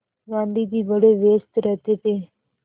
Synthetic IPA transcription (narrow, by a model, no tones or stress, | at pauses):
ɡãːnd̪iːd̪iːʋəɽeːʋeːst̪ɾət̪eːt̪eː